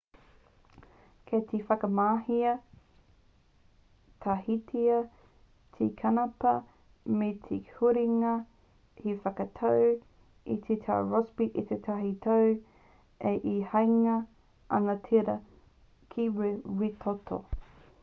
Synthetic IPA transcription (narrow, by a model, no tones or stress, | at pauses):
kʰet̪ʰifɐkɐmaːhiɐ | t̪ʰahitʰiɐ | t̪ʰikʰɐnɐpɐ | met̪ʰihuɾiŋɐ | hifɐkɐt̪ʰow | it̪ʰit̪ʰa̰ɹosbiʔit̪et̪ʰɐɦit̪ʰow | eʔihɐjŋɐ | ɐ̰ŋɐtʰiɾɐ | kʰiwewit̪ʰot̪ʰo̰